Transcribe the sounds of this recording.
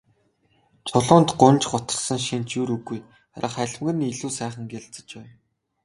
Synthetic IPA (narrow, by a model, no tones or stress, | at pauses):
t͡sʰʊɮʊːnt̪ɢʊnʲt͡ɕɢʊt̪ə̆ɮsə̆ŋʃint͡ɕjuɾuɣːuj | aɾʔa̰χæɮ̆ʲmɡɘ̆niɮuːsæːχə̆ŋɡeɮt͡sə̆t͡ɕpæː